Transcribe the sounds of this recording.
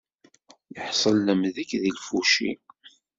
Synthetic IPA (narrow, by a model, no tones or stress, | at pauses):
jəħsˤəlːəmðəkðilfuʃḭ